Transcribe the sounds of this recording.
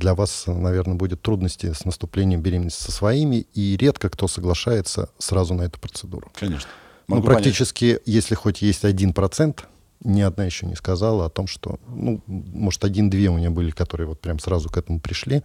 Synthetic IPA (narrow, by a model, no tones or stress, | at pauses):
d̪lʲɐvasnɐvʲe̞rnəbudʲɪt̪ːɾud̪nəsʲtʲɪsnəst̪ʊplʲenʲɪjɪmbʲɪɾʲemʲɪnəsʲtʲsʲəsvɐimʲɪiɾʲe̞t̪kəkt̪o̞səɡlˠɐʂajɪt̪sə̰srazʊnɐɛt̪ʊ̥pɾət̪sɨd̪ṵɾʊkɐneʂn | nmoɡpɾɐkʲtʲit͡ɕɪskʲɪjesʲlʲɪxotʲjesʲtʲɐdʲinpɾɐt̪sɛnt̪ | nʲɪɐd̪̚najɪɕːo̰nʲɪ̰skɐzalˠəɐt̪o̞mʂt̪o̰numo̞ʐɨ̥t̪ɐdʲind̪vʲeʊmʲɪnʲabɨlʲɪkɐt̪o̞ɾɨjəvo̞t̪̚pɾʲamsɾazʊkɛt̪əmʊpɾʲɪʂlʲi